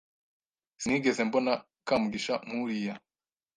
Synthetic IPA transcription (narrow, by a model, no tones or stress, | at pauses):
siŋiːɡe̞ze̞mbo̞na | kamuɡiʃamuɾija